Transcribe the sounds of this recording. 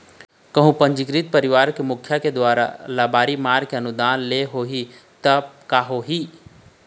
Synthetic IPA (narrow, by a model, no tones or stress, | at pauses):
kɐɦũpɐ̃ɲd͡ʒɪkɾit̪̚pɐɾɪʋaːɾkemʊkʰːjaked̪waːɾa̰laːbaːɾimaːɾkeɐnʊd̪aːnleɦoːɦi | t̪ɐb̚kaːɦoɦi